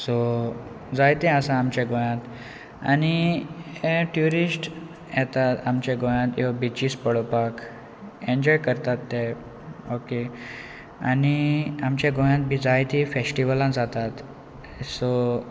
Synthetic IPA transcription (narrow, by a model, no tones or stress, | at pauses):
sɔ | d͡zajt̪ɛ̃əsãːmt͡ɕãɡojãt̪ | a̰ni | eʈjuɾisʈ | jɛt̪at̪amt͡ɕeɡojãt̪jɔbit͡ɕiːspəɭopak | eɲd͡ʑɔjkəɾt̪at̪ːɛ | oke | a̰niamt͡ɕãɡoj̃ãt̪̚bʱid͡zajt̪ifesʈiʋəlãd͡zat̪at̪ | sɔ